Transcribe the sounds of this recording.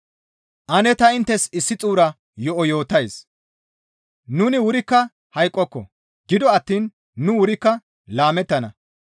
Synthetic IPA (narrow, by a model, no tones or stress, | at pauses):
ʔɐnɛt̪ɐɪnt̪ːɛsɪsːɪt͡sʼuːɾɐ | jɔʔɔjo̞ːt̪ɐjs | nʊnɪwʊɾɪkːɐ | hɐjkʼːɔkːɔ̰ | ɡɪd̪ɔɐt̪ːiːnː | ʊwʊɾɪkːɐ | laːmɛt̪ːɐnɐ